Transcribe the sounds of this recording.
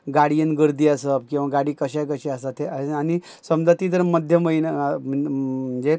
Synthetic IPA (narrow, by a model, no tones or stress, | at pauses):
ɡaɽiənɡəɾd̪iːəsəpkĩw̃ʋaɡaɽiːkəɕajk̬əɕeasat̪eani | səmd͡zat̪iːt̪əɾməd̪ʱjəməjnm̤əm̤əɳd͡ze